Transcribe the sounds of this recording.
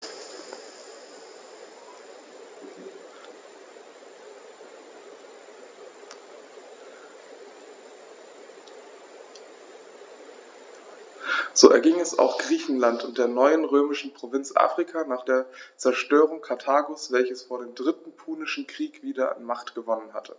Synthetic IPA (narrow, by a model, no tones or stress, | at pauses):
z̥oːɛɐɡɪŋɛsa̰ʊxɡ̥ʁiːçn̩lantʊnt̚d̥eːɐnɔʏənʁøːmɪʃn̩pʁ̥ovɪnt͡sʔa̰ːfʁ̥ikʰanaːχd̥eːɐt͡sɛɐʃtøːʁ̞ʊŋkʰaɐtʰaːɡosv̥ɛlçəsfoːɐdeːmdʁɪtn̩pʰuːnɪʃn̩kʁ̥iːkv̥iːdɐʔa̰nmaχtɡ̥əvɔnənɦa̰tʰə